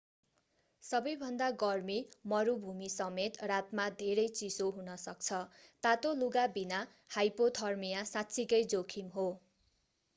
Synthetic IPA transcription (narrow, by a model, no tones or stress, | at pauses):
sʌbʌjbʱʌnd̪aɡʌrmimʌɾubʱumisʌmet̪rat̪mad̪ʱeɾʌjt͡sisoɦunʌsʌkt͡sʰʌt̪at̪oluɡabina | hajpot̪ʰʌrmijasat̪sʰikʌjd͡zokʰimɦo